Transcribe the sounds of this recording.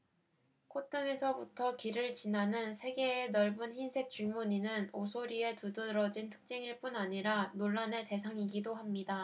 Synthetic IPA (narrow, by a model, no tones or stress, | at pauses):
kʰot͈ɯŋe̞sʰʌbutʰʌkiɾɯɭt͡ɕinɦanɯnsʰe̞ɡe̞ːnʌɭbunçinsʰe̞k̚t͡ɕ͈uɭmuɲinɯnosʰoɾie̞tudɯɾʌd͡ʑintʰɯ̥k̚t͡ɕ͈eŋiɭp͈unaɲiɾanoɭːane̞te̞sʰaŋiɡidoɦamɲida